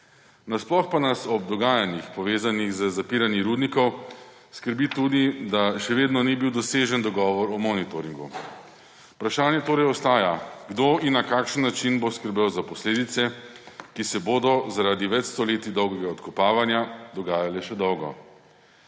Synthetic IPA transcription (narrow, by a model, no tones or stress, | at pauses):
nasplɔxpanasɔbd̪ɔɡaːjanixpɔʋeːzaniɣzəzapiːɾanjiɾuːd̪nikɔw | skəɾbit̪uːd̪id̪aʃɛʋeːd̪nɔnibiwd̪ɔseːʒənd̪ɔɡɔːʋɔɾɔmɔnit̪oɾiŋɡṵ | upɾaʃaːnjɛt̪oːɾɛjɔst̪aːjaɡd̪oːʔinːakaːkʃənːat͡ʃinboskəɾbewzapɔsleːd̪it̪sɛkisɛboːd̪ɔzaɾaːd̪iʋɛt͡ʃst̪ɔleːt̪id̪ɔwɡɛɡaɔt̪kɔpaːʋanjad̪ɔɡaːjalɛʃɛd̪ɔwɡɔ̰